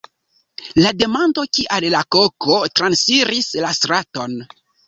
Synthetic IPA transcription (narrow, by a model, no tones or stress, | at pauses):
lade̞mando̞kiʔallakokotɾansiɾislastɾato̞n